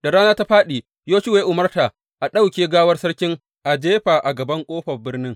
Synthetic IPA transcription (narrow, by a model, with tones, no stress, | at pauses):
d̥a˨ɽaː˦naː˦ta˦ɸaː˦ɗiː˨ | joː˦ʃɪ˦weː˦ʔʊ˨mɐ˦rta˨ | ʔa˨ɗa˦wkʲeː˨ɡaː˦wɐ˦rsɐ˦rkʲɪ˦ŋ | ʔa˨d͡ʒeː˦ɸaː˨ʔa˨ɡɐ˨bɐ˦ŋkʷʼoː˦ɸɐ˨bɪ˦rnɪ˦ŋ